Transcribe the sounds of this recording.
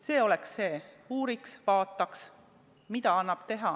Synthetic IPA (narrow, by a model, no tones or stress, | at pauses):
se̞ːo̞le̞ksːe̞ː | uːɾiksvɑːt̪ːˑɑks | mit̪ɑɑnːɑb̥t̪e̞ɦɑ